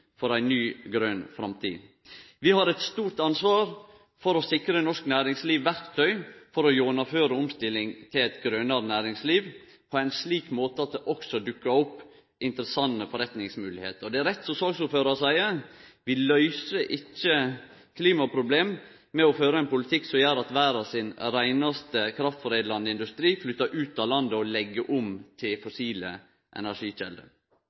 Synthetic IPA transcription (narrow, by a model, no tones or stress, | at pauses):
fɔɾæɪnyːɡɾøːnfɾɑmt̪ʰḭː | ʋɪhɑɾɛt̪st̪uːɾt̪ɑnsʋɑːɾ | fɔɾɔsɪkɾənɔʂknæːɾɪŋsliːʋʋæɾtt̪ʰœʏfɔɾɔjuːnɑføːɾəʊmst̪ɪlːɪŋt̪ʰɪlæt̪ɡɾœnəɾənæːɾɪŋsliːʋ | pʰɔæɪnsliːkmoːt̪əɑt̪̚d̪ɛʔɔksɔd̪ʉkːəɔpː | ʔɪnt̪əɾəsɑnːəfɔɾɛt̪nɪŋsmʉːlɪhḛːt̪əɾɔd̪ɛæɾɛt̪ːsɔsɔlɡsuːføːɾɑsæɪəʋɪlœʏsəʔɪt͡ʃːə | kʰliːmɑpʰɾʊbleːm | mɛɔføːɾəɛnpʊlɪt̪ʰɪkːsɔmjæːɾɑt̪ʋæːɾɑʋsɪnɾæɪnɑst̪əkʰɾɑft̪fɔɾeːd̪lɑnəɪnd̪ʉst̪ɾiːflʏt̪ːəɾʔʉːt̪ɑlɑnd̪əɔlɛɡːəʔʊmt̪ʰɪlfɔsiːlə̰ | ʔɛ̰næʂiːc͡çɛ̰ld̪ə̰ɾ